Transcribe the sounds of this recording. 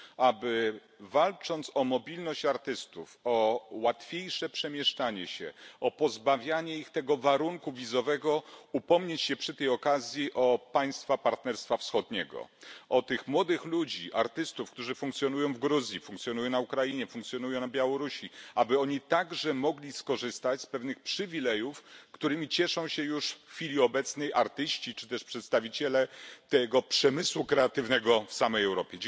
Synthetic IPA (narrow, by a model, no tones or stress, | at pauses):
abɘ | valt͡ʂɔnt̪sɔmɔbʲilnɔɕt͡ɕaɾt̪ɘst̪ṵfɔwat̪fʲjejʂɛpʂɛmʲjɛʂt͡ʂaɲɛɕɛ̰ʔɔpɔzbavʲjaɲɛixt̪ɛɡɔvaɾuŋkuvʲizɔvɛɡɔupɔmɲet͡ɕɕɛpʂɘt̪ɛjɔkazʲjiʔɔpaj̃st̪fapaɾt̪nɛɾst̪fafsxɔd̪ɲɛɡɔ̰ɔt̪ɘxmwɔd̪ɘxlud͡ʑiʔa̰ɾt̪ɘst̪ufkt̪uʐɘfũŋkt̪sʲjɔnujɔ̃w̃vɡɾuzʲjifũŋkt̪sjɔnujɔɛ̃naukɾajiɲɛfuŋk̚t̪sjɔnujɔ̃w̃nabʲjawɔɾuɕiʔabɘɔɲit̪aɡʐɛmɔɡlʲiskɔʐɘst̪at͡ɕspɛvnɘxpʂɘvʲilɛjufkt̪uɾɘmʲit͡ɕɛʂɔ̃w̃ɕɛjuʂxfʲilʲiɔbɛt̪snɛjʔaɾt̪ɘɕt͡ɕit͡ʂɘ̥t̪ɛʂpʂɛt̪st̪avʲit͡ɕɛlɛt̪ɛɡɔpʂɛmɘswukɾɛat̪ɘvnɛɡɔfsamɛjɛwɾɔpʲjɛd͡ʑ